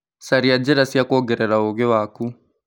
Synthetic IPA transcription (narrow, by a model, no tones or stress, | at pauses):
saɾiad͡ʒɛɾasiakɔɡɛɾɛɾaoɣɛwaku